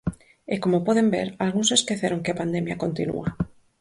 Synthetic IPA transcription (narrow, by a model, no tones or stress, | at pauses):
ekomopoðembeɾalɣũnseskeθeɾoŋkeapand̪emjakont̪inṵa